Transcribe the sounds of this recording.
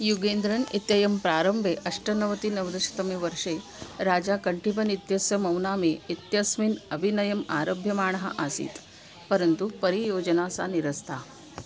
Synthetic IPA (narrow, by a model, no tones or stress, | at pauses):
juɡeːnd̪ɾɐnit̪jɐjɐmpɾaːɾɐmbʱeʔɐʂʈɐnɐʋɐt̪inɐʋd̪ɐʃɐ̥t̪ɐmiʋɐɾʂeː | ɾaːd͡ʒaːkɐɳʈipɐnit̪jɐsjɐmɐwnaːmeit̪jɐsminɐbʱinɐjɐma̰ːɾoːbʱjɐmaːɳ̃ɐɦɐ̰ʔaːsḭːt̪ | pɐɾɐnt̪upɐɾijoːd͡ʒɐnaːsa̰niɾɐst̪ʰaː